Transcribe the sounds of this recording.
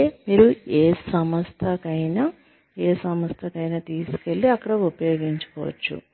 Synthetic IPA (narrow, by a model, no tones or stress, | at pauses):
emiːɾueːsɐmɐst̪ʰɐkɐjnɐ | eːsɐmɐst̪ʰɐkɐjnɐt̪iːsu̥ke̞ɭːiɐkːɐɽɐupɐjo̞ːɡiɲt͡ʃu̥kɔ̰ːʋɐ̰t͡ʃːṵ